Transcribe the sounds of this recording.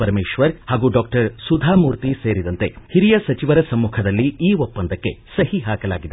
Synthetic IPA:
ɐɾmeːʃʋɐɾhaːɡuːɖaːk̚ʈɐɾsud̪ʱaːmuːɾt̪iseːɾid̪ɐnt̪e̞hiɾijɐsɐt͡ʃiʋɐɾɐsɐmːuːkʰɐd̪ɐlːiiːʋopːɐnd̪ɐkːesɐɦhiɦaːkɐla̰ːɡid̪e

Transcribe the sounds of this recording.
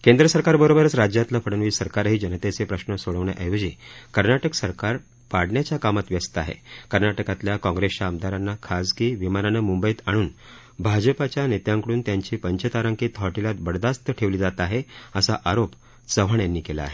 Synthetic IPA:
kend̪ɾəsəɾkaɾbəɾobəɾət͡sɾad͡ʑjat̪ləfʰəɽənʋiːsəɾkaɾɦiːd͡ʑənət̪et͡sepɾəɕnəsoɭəʋɳjaʔəjod͡ʑiːkəɾnaʈəksəɾkaɾ | paɽɳjat͡ɕjakamat̪ʋjəst̪əaɦḛkəɾnaʈəkat̪ljakɔ̃ŋɡɾest͡ɕaəmd̪ʱaɾanːakʰad͡zkiːʋimananəmumbəjiːt̪aɽ̃uːn | bʱad͡ʑəpat͡ɕjanet̪jãŋkəɽuːnt̪jaɲt͡ɕiːpəɲt͡ɕət̪aɾaŋkiːt̪ʰɔʈilat̪̚bəɽd̪ast̪əʈʰeʋliːd͡zat̪aɦeəsaʔaɾop | t͡səʋ̤əɳjanːiːkela̰a̰ɦe

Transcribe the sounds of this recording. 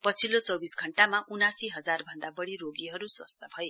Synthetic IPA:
pʌt͡sʰilot͡sʌwbisɡʱʌɳʈamaʔunasiɦʌd͡zarbʱʌnd̪abʌɽiroɡiɦʌɾuswʌst̪ʰabʱʌje

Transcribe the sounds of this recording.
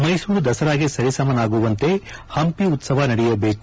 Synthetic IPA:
mɐjsuːɾud̪ɐsɐɾaːɡisɐɾisɐmɐnaːɡuʋɐnt̪e̞hɐmpiut̪sɐʋɐnɐɽɛjɐbeːku

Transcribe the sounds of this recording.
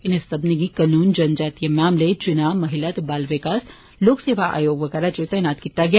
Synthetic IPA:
ɪnesɐbniɡikanuːnd͡ʒɐnd͡ʒaːt̪ijemaːmlet͡ʃʊnaːmɐɦɪlat̪baːlʋekaːs | loːkseːʋaʔa̰ːjoːɡʋɐɡɛːɾat͡ʃet̪ɐjnaːt̪kiːt̪aɡɐja

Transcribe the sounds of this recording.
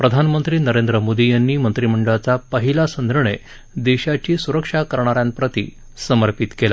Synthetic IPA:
pɾəd̪ʱanmənt̪ɾiːnəɾẽnd̪ɾəmod̪ijanːiːmənt̪ɾim̤əɳɖəɭat͡sapəɦilasənd̪ʱɾəɳe | d̪eɕat͡ɕiːsuɾəkʂakəɾɳaɾjãnpɾət̪ḭː | səməɾpit̪kela

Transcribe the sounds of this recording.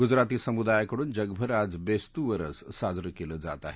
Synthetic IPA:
ɡud͡zɾat̪iːsəmud̪ajkəɽuːnd͡ʒəɡbʱəɾad͡zbest̪uʋəɾə̰ssad͡zɾəkeləd͡za̰t̪a̰ɦe

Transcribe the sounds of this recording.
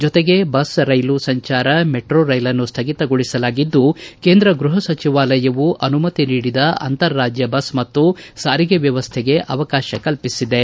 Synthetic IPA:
d͡ʒɔt̪eɡe̞bɐsɾɐjlusɐɲt͡ʃaːɾɐmeʈɾoːɾɐjlɐnːust̪ʰɐɡit̪ɐɡoɭisɐlaːɡid̪ːuke̞ːnd̪ɾɐɡɾuɦɐsɐt͡ʃiʋaːlɐjɐʋuʔɐnumɐt̪iniːɽid̪ɐɐ̰nt̪ɐɾːaːd͡ʒjɐbɐsmɐt̪ːusaːɾiɡeʋjɐʋɐst̪ʰeɡe̞ʔɐʋɐkaːʃɐkɐlpisid̪e̞

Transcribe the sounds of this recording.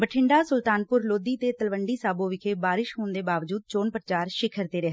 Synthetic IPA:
bəʈʰɪɳɖaːsʊlt̪aːnpʊɾloːd̪iːt̪eːt̪əlʋəɳɖiːsaːboːʋɪkʰeːbaːɾɪʃɦoːnd̪eːbaːʋd͡ʒuːd̪̚t͡ʃoːnpɾət͡ʃaːɾʃɪkʰəɾt̪eːɾeɦ

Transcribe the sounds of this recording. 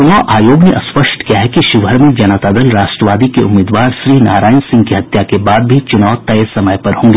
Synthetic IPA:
t͡ʃʊnaːʔaːjoːɡneʔɐspəʃʈkijaɦɛkiʃuʋʱəɾmẽd͡ʒɐnat̪aːd̪əlɾaːʃʈɾəʋaːd̪ikeʊmːeːd̪ʋaːɾʃɾiːna̰ːɾaːjɪnsɪ̃ŋɡkiɦɐt̪jakebaːd̪̚bʱit͡ʃʊnaːʋt̪ɐjesɐməjpɐɾɦõːŋɡe

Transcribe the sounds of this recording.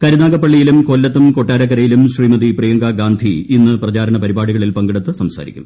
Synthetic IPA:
kɐɾunaːɡɐpːɐɭːijilumkolːɐt̪ːumko̞ʈːaːɾɐk̬ːɐɾɐjilumɕriːmɐd̪iprijɐŋɡaːɡaːnd̪ʱiinːɨprɐt͡ɕaːɾɐnɐpɐɾibaːɽuɣɐɭilpɐŋɡiɽɐt̪ːɨsɐmsa̰ːɾḭkʲːu̥̰m

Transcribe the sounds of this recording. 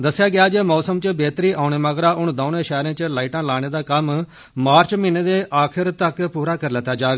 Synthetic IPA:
d̪əsːɪjaːɡɪaːd͡ʒemɔːsəmt͡ʃəbeːt̪ɾiːʔaːʊɳ̃eːməɡɾaːʊɳd̪aːnẽːʃɛːɾẽːt͡ʃəlaːiʈãːlaːɽ̃eːd̪aːkəm | maːɾt͡ʃmɪneːd̪eːʔaːkʰɪɾt̪əkpuːɾaːkəɾlət̪ːaːd͡ʒaːɡ

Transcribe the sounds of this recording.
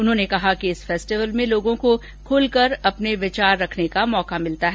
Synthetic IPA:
ʊnɦõːnekɐɦakiɪsfɛːsʈɪʋəlmẽloːɡõko | kʰʊːlkɐɾɐpneʋɪt͡ʃaːɾːɐkʰnekamɔːkamɪlt̪aɦɛː

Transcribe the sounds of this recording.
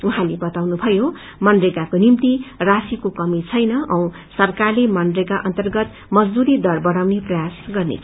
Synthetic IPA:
uɦãlebʌt̪awnubʱʌjo | mʌndreɡakonimt̪irasikokʌmit͡sʰʌjnʌʔʌ̃w̃ | sʌrkarlemʌndreɡaʔʌnt̪ʌrɡʌt̪ | mʌd͡zd̪uɾid̪ʌrbʌɽawneprʌjasɡʌrnḛt͡sʰ

